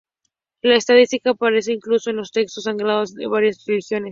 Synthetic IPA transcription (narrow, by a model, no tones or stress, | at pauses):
laest̪aðist̪ikaːpaɾe̞s̬e̞iŋkluso̞enlo̞st̪e̞kst̪o̞saŋɡɾaðo̞zðḛβaɾjasrelixjo̞ne̞s